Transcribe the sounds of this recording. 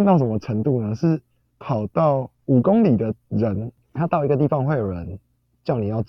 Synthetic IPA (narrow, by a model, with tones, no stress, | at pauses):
nt̪ɑ˥˩ʊʂə˧˦nmə˧ʈ͡ʂʰə˧˥ŋt̪u˥˨nə˩ʂɻ̩˥˩ | pʰɑ˨˩ʊt̪ɑ˥˩ʊ | u˨˩ko˦ŋli˨˩d̪ə˩ɻə˨˦n | t̪ʰa˦t̪ɑ˥˩ʊi˧˥ɡə˧t̪i˥˨fɑ˨˧ŋxwe˥˩ɪjo˨˩ɻə˨˦n | t͡ɕjɑ˥ʊni˨˩jɑ˥˧ʊ